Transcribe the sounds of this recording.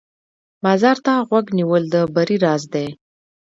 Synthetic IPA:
mazaɾt̪aɣwaɡniwəld̪əbaɾiɾɑzd̪e

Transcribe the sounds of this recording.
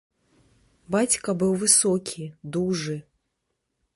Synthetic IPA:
bat͡sʲkɐbɨwvɨsɔkʲʰid̪uʐɨ

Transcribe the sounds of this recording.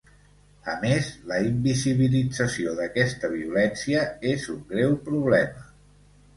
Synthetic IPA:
əmezləimbiziβ̞ilid͡zəsioðəkɛst̪əβiulɛnsiəezuŋɡɾɛwpɾuβlɛmə

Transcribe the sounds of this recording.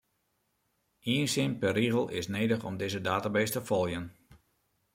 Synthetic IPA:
iənsɪnpɛriɣəlˠɪsneːdəχɔmdɪzədaːtabestəfɔlˠjən

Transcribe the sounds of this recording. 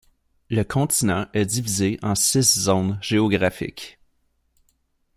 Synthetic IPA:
ləkʰɔ̃t̪inɑ̃ʔɛd̪ivizeʔɑ̃sɪszɔ̃nʒ̥eɔɡʁafɪ̰k

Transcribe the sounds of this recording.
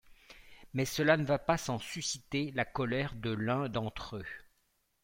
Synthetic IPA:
mɛsəlanəvapasɑ̃sysit̪elakɔlɛʁd̪əlɛ̃d̪ɑ̃t̪χø

